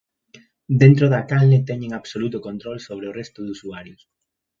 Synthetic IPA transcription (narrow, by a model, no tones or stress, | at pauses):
d̪ent̪ɾoðakalnet̪ɛɲẽŋaβsolut̪ʊkont̪ɾolsoβɾeʊrɛst̪ʊðusuaɾjʊs